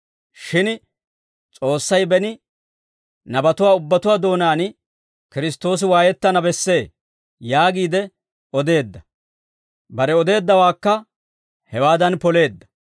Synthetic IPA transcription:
ʃɪn | t͡sʼo̞ːsːɐjbɛnɪ | nɐbɐt̪ʊwaːʊbːɐt̪ʊwaːd̪o̞ːnaːn | kɪɾɪst̪o̞ːs̬ɪwaːjɛt̪ːɐnɐbɛsːe̞ː | jaːɡiːd̪ɛ | ɔd̪e̞ːd̪ːɐ | bɐɾɛɔd̪e̞ːd̪ːɐwaːkːɐ | hɛwaːd̪ɐnpɔle̞ːd̪ːɐ̥

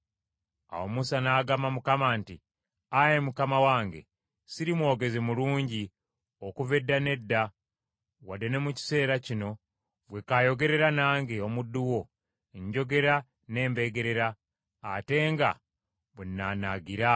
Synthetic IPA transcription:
a̰womusanaːɡamamukamaːnti | aje̞mukamawaːŋɡe̞̰ | siɾimwo̞ːɡe̞zemuluːɲɟi | okuve̞dːane̞dːa | wadene̞muci̥se̞ːɾacino̞ | βwe̞kajo̞ɡe̞ɾe̞ɾanaːŋɡeo̞mudːuwo̞ | eɲɟo̞ɡe̞ɾa | ne̞ːmbe̞ɡe̞ɾe̞ɾaː | te̞ːŋɡa̰ | βwenːanaɡiɾa

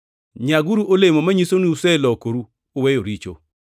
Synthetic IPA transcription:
ɲaɡuɾuʔolemomaɲisonuusɛlɔkoɾu | owɛjoɾit͡ʃo̰

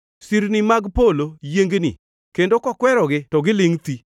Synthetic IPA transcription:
siɾnɪmaɡpolojeŋɡnḭ | kendokɔkwɛɾɔɡɪtɔɡɪlɪŋt̪i

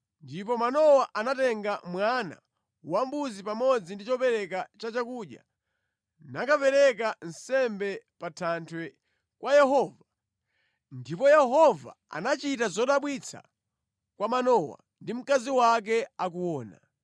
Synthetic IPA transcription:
ndipɔmanɔwaʔanatɛŋɡamwana̰ | wambuzipamɔd͡zindit͡ʃɔpɛɾɛkat͡ʃat͡ʃakuɗja̰ | nakapɛɾɛk̬an̩sɛmbɛpatʰantʰwɛ | kwʔajɛɦɔːva | ndipɔjɛɦɔva̰ | a̰nat͡ʃitazɔɗaɓwit͡sʰa̰ | kwamanɔwa̰ | ndim̩kaziwak̬ɛak̬uwɔːna̰

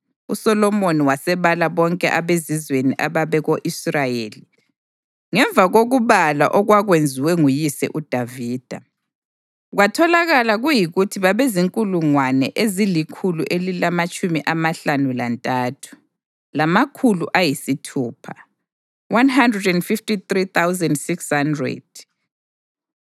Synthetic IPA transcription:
usɔlɔmoniwasɛβalaβɔŋkʼɛ̰ʔaβezizweniʔaβaβɛɣoʔisrajeːli | ŋɛɱvʱaɣoɣuβala̰ʔɔɣwaɣwend͡zʱiwɛŋujisɛ̰ʔud̥ʱaviːd̥ʱa | ɣwatʰɔlaɣalaɣujiɣutʰiβaβeziŋkʼuluŋwanɛʔezilikʰuluʔelilamat͡ʃʼumiʔamaɬanulantʼaːtʰu̥ | lamakʰuluʔajisitʰuːpʰa | wanɦandrɛdɛndfiftit̪rit̪awzɛndsikshandrɛ̰d̥̚

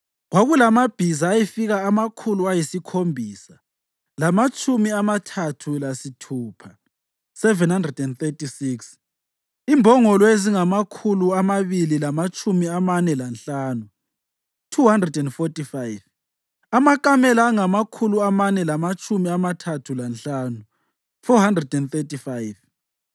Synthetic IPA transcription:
ɣwaɣulamab̥ʱizaːjifiɣaamakʰuluajisikʰombʱiːsa | lamat͡ʃʼumiamatʰatʰulasitʰuːpʰa | sɛvɛnhandrɛdɛnθetisiks | imbʱɔŋɔlweziŋamakʰuluamaβililamat͡ʃʰʼumiamanɛlanɬaːnu | tʰuhandrɛdɛndfɔtifajv | amakʼamɛlaːŋamakʰuluamanɛlamat͡ʃʰʼumiamatʰatʰulanɬaːnu | fɔhandrɛdɛnθetifajv

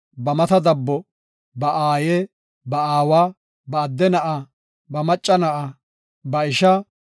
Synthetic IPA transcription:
bɐmɐt̪ɐd̪ɐbːɔ | bɐʔaːje | bɐaːwaː | bɐːd̪ːɛnɐʔa | bɐmɐt͡ʃʼːɐnɐʔa | bɐɪʃɐ

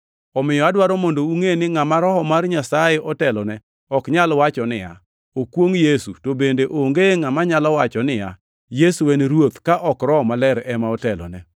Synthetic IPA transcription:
ɔmɪjɔadwaɾɔmondouŋenɪŋamaɾɔhɔmarɲasajeʔɔtɛlɔnɛ | ɔkɲalwat͡ʃɔnɪja̰ | okwoŋjesutobendeʔoŋɡeŋamaɲalɔwat͡ʃɔnɪja̰ | jesuwenɾwot̪kaʔɔkɾɔɔmalɛɾɛmaɔtɛlɔ̰nɛ

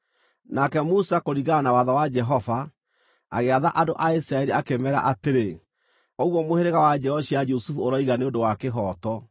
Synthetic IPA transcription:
nakɛmusakoɾiɣanawaðawad͡ʒɛɦɔva | a̰ɣeaðaʔadoʔaisɾaɛɾiakemɛɾa̰ʔateɾe | oɣwɔmoheɾeɣawad͡ʒɛɔɕiad͡ʒusufuoɾaiɣaneondowakeɦɔːtɔ

